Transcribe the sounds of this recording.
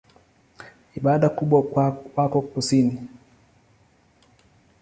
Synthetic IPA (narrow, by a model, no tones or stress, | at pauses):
iɓaɗakuɓwawakɔkusini